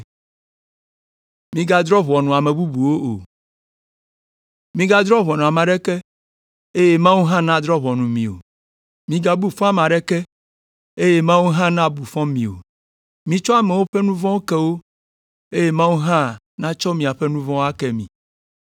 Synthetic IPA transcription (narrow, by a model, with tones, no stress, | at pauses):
mĩ˦ɡa˦d̪ɾɔ˦βɔ˨nũ˨a˨me˨bu˦bu˨wo˦o̰˨ | mĩ˦ɡa˦d̪ɾɔ˦βɔ˨nɔ̃˨a˨mã˨ɖɛ˦kɛ˦ | e˦je˦mã˦wu˦ɦã˦nã˦d̪ɾɔ˦βɔ˨nũ˨mḭ̃˨o̰˨ | mĩ˦ɡa˦˨bu˦fɔ̃˦a˨mã˨ɖɛ˦kɛ˦ | e˦je˦mã˦wu˦ɦã˦nã˦bu˨fɔ̃˦mĩ˨o̰˨ | mĩ˨t͡ʃɔ˦a˨me˨wo˦ɸɛ˦nũ˦vɔ̃˦o˦kɛ˦wo˦ | e˦je˦mã˦wu˦ɦã˦ | nã˦t͡ʃɔ˦mĩ˨a˨ɸe˦nũ˦vɔ̃˦a˦kɛ˦mḭ̃˨